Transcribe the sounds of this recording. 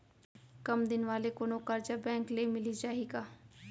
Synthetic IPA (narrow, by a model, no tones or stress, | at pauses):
kɐmd̪ɪnʋaːlekoːnokəɾd͡ʒabɛ̃ːŋklemɪlid͡ʒaːɦiɡaː